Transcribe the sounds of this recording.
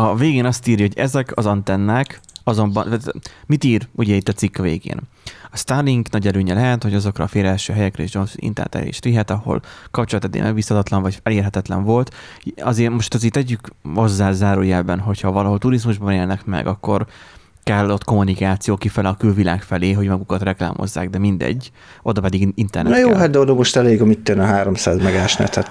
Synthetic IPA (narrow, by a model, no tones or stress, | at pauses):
ɒveːɡeːnɒst̪iːɾjɒɦoɟɛzɛkʰɒzɒnt̪ɛnːaːkɒzo̞mbɒnmit̪iːɾuɟɛit̪ːɒt̪sikːɒvḛːɡḛːn | ɒst̪arːiŋɡnɒɟɛløːɲɛlɛɦɛt̪ho̞ɟɒzo̞kɾrɒ̰ːfeːɾɛlʃøːɦɛjɛkɾɛḛːʒd͡ʒo̞nsḭnt̪ɛ̰nt̪ɛ̰lḛːʃɾiɦɛt̪ɒho̰lkɒp̚t͡ʃolɒt̪ːɛd̪ːḛmɛɡbiːshɒt̪ɒt̪lɒɱvɒɟɛleːrɦɛt̪ɛt̪lɛ̰ɱvo̞lt̪ | ɒzeːrmo̞ʃt̪ɒziːt̪ɛɟːykmo̞zːaːzaːɾuːjɛbɛnɦo̞chɒvɒlɒɦo̞lt̪uɾizmuʒbɒneːlnɛkmɛ̰ɡɒkːo̞r | kɛlːo̞t̪ko̞munikaːt̪sijoːkifɛlɛɒkylvila̰ːkfɛleːɦo̞ɟmɒɡukɒt̪rɛkla̰ːmʔo̞̰zːa̰ːɡd̪ɛmind̪ɛ̰ɟː | ʔo̞d̪ɒpɛd̪iɡint̪ɛrnɛjoːɦat̪̚d̪ɛod̪omoʃt̪ɛleːɡɒmit̪ːønɛɦaːɾomsaːzmɛɡaːʃnɛ̰t̪hɛt̪